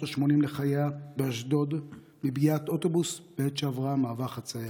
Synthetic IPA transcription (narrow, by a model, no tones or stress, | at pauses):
aʃmo̞nimleχajabeaʃdo̞d̪ | mibiato̞t̪o̞busb̥et̪ʃeavʁamaːvaχat͡saja